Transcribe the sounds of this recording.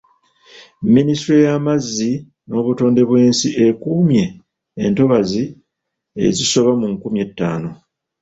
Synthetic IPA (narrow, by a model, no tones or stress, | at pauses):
mːinistɾejamazːi | no̞ːβuto̞ːnde̞βwe̞ːnsiʔe̞kuːmje̞ː | nto̞βazi | ḛziso̞βamuŋkumje̞tːa̰ːno̞